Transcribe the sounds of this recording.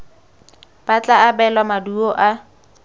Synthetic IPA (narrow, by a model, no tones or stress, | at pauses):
b̥at͡ɬʼaːbɛlwamaduɔʔa